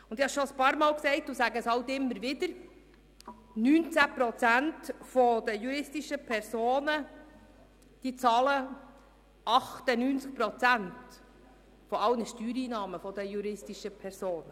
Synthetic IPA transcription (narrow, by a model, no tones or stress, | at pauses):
ʊnd̪ɪhɑʃoəspɑːɾmɑːlksɛɪt̚d̥uːsæɡəshɑwtɪmːəɾʋɪd̥̪əɾ | nyːnt͡sæpɾɔt͡sæntfɔd̥̪əjuɾɪstiʃəpʰɛɾsoːnə | d̥iːt͡sɑːlə | ʔɑχt̪ənyːnt͡sk̚pɾɔt͡sænt | fɔɑwnəʃtyːɾiːnɑːməfɔd̪əjuɾɪstiʃəpʰɛɾsoːnə